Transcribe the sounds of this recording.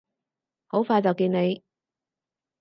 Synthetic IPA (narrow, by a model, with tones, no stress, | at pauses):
ho˨˥wfaː˧jt͡sɐ˨wkiː˧ne˨˧j